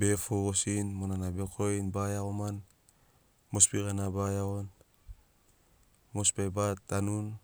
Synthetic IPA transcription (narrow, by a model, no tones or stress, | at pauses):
befoɡosinmonanabekʰojnbajaoman | mospiɡanabajaon | mospajbatːanun